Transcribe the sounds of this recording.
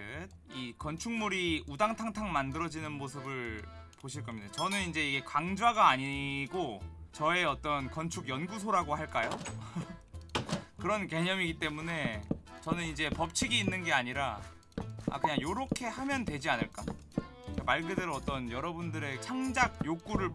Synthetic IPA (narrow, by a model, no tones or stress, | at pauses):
ikʌnt͡ɕʰuŋmuɾiudaŋtʰaŋtʰaŋmandɯɾʌd͡ʑinɯnmosʰɯbɯɭpoɕʰiɭk͈ʌmidat͡ɕʌnɯnind͡ʑe̞iɡe̞kwaŋd͡ʑaɡaːɲiɡot͡ɕʌe̞ʌt͈ʌnkʌnt͡ɕʰuɡjʌnɡusʰoɾaɡohaɭk͈ajo | kɯɾʌnke̞ɲʌmiɡit͈e̞mune̞t͡ɕʌnɯnind͡ʑe̞pʌp̚t͡ɕʰiɡiːnːɯnɡe̞aɲiɾa | a̰kɯɲaŋjoɾʌkʰe̞hamjʌntwe̞d͡ʑianɯɭk͈a | k͈amaɭɡedeɾoʌt͈ʌnjʌɾʌbundɯɾe̞t͡ɕʰaŋd͡ʑaɡ̚jok͈uɾɯɭ